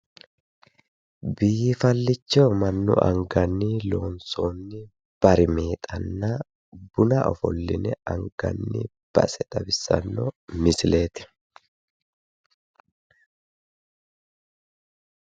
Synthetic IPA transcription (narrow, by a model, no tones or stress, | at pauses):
biːɪfɐlːɪt͡ʃːɔmɐnːʊ̰ʔɐ̰ŋɡɐnːiːlo̞ːnsoːnːɪ | b̥ɐɾɪme̞ːt̪ʼɐnːɐ | bʊnɐʔɔ̰fɔ̰lːɪ̰nɛɐŋɡɐ̰nːɪ̰ | b̥ɐ̰sɛt̪ʼɐbɪsːɐ̰nːɔmɪsɪle̞ːt̪ɪ̥